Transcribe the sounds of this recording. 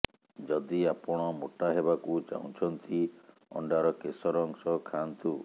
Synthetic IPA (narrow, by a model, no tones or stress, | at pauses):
d͡ʒɔd̪iapɔɽ̃ɔmoʈaɦebakut͡ʃa̰w̃t͡ʃʰɔnt̪ʰi | ɔ̰ɳɖaɾɔkesɔɾɔŋsɔkʰant̪u